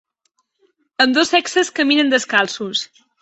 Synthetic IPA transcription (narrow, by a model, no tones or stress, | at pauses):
əmd̪osɛksəskəminənd̪əskalˠsus